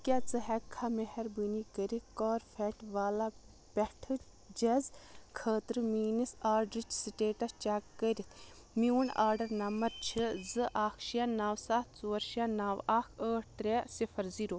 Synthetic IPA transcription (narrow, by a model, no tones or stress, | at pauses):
kʲat͡sɨɦɛkʰːamehɛɾbɨnikəɾikɔːɾfʰɛʈʋaːla | pɛʈʰɨ | d͡ʒezkʰəːt̪ɾɨmiːnisaːɾɖɾit͡ʃsiʈeːʈɐst͡ʃakːəɾit̪ʰ | miwuɳa̰ːɾɖɐɾnɐmɐɾt͡ʃʰizɨʔaːkʰʃijanaːwsaːt̪t͡suːɐɾʃijanaːʋaːkʰəːʈ̚ʰt̪ɾɛsifʰɐɾziɾoː